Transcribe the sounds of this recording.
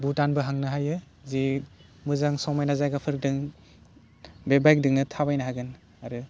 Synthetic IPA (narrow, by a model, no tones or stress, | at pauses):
butanbɯɦaŋnɯɦajɯ | zi | mɯzaŋsɔmajnazajɡapʰɯɾdɯŋ | bebajk̚dɯŋnɯtʰabajnaɦaɡɯn | aɾɯ